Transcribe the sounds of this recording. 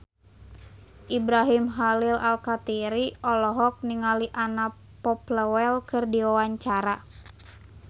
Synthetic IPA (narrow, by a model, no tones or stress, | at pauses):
ʔibɾaɦimɦalilalkat̪iɾiɔlɔɦɔk̚niŋaliʔana | pɔpləwɛlkɨrdiwawaɲt͡ʃaɾa